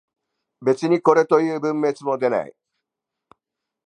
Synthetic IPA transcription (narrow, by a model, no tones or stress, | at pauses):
be̞t͡sɨɲ̟iko̞ɾe̞t̪o̞jɯ̟ːbɯ̟̃mːe̞t͡sɨmo̞d̪e̞na̰ḭ